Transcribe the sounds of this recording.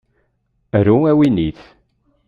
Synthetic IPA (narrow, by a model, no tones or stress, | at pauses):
ɾuæwiniθ